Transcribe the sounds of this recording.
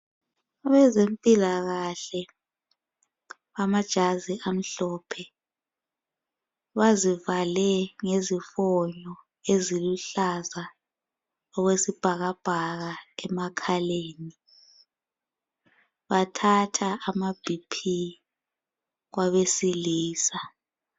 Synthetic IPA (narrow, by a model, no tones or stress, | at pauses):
aβɛzempʼilaɣaɬɛ | βamad̥ʒ̥ʱaziʔam̩ɬɔːpʰɛ | βazivalɛŋezifɔɲɔ | eziluɬaza | ɔɣwesib̥ʱaɣab̥ʱaɣaɛmakʰaleːni | βatʰatʰaʔːmab̥ʱipʰi | ɣwaβesiliːsa